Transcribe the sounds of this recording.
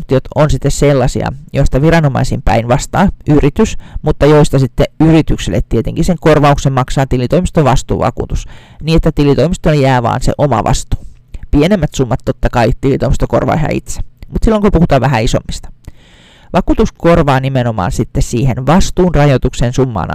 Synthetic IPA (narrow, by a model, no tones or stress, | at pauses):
t̪iot̪onsit̪ːesselːɑsḭɑ̰jost̪ɑʋiɾɑno̞mɑ̰isḭmpæ̰inʋɑst̪ɑːʔyrit̪ysmut̪ːɑjoist̪ɑsit̪ːeyɾit̪yksilːḛt̪tiet̪eŋkiseŋkorʋɑuksemmɑksɑːt̪ilit̪oimist̪oʋʋɑst̪ṵːʋɑ̰kṵːt̪us | niːet̪ːæt̪ilit̪oimist̪oljæːʋɑ̰ːnsḛʔomɑ̰ʋʔɑ̰st̪u̥ː | pienemːæt̪sumːɑt̪ːot̪ːɑkɑit̪ilit̪oimist̪oko̰rʋɑ̰ːhæ̰ḭt̪se̥mut̪silːoŋkopuhut̪ɑːʋʋæɦæisomːist̪ɑ̥ | ʋɑkuːt̪uskorʋɑːnimenomɑ̰ːnsit̪ːessiːhenʋɑst̪uːnrɑjot̪ukseːnsumːɑ̰ːn